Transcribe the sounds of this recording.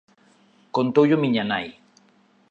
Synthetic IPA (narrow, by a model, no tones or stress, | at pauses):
kont̪ojʊmɪɲanaj